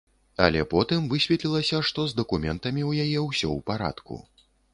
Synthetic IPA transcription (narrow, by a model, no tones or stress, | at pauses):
ɐ̰lʲɛpɔt̪ɨmvɨsʲvʲɛt̪lʲilˠɐsʲɐʂt̪ɔzd̪ɐkumʲɛnt̪ɐmʲiwjajɛwsʲɔ̰wpaɾa̰t̪kṵ